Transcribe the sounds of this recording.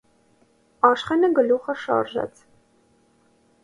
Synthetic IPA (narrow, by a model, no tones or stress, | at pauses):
ɑʃχɛnəɡəluχəʃɑ̰ɾʒɛ̰t͡sʰ